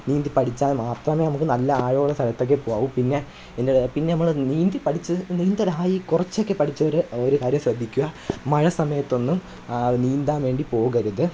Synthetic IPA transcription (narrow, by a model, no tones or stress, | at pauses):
niːnd̪ipɐʈʰit͡ɕːaːmaːt̪rɐmenɐmukːɨnɐlːɐaːɻoːɭɐsɐlɐt̪ːo̞k̬ːepoːaːʋumpinːe̞ | endepinːe̞nɐmːɐɭniːnd̪ipɐʈʰit͡ɕːɨniːnd̪ɐlaaːjikurɐt͡ɕːo̞kːe̞pɐʈʰit͡ɕːɐoɾoɾukaːɾjɐmɕrɐd̪ʱːikʲːuɣɐmɐɻɐsɐmɐjɐt̪ːo̞nːum | niːnd̪aːnʋe̞ːɳɖipo̞ːɣɐɾuðɨ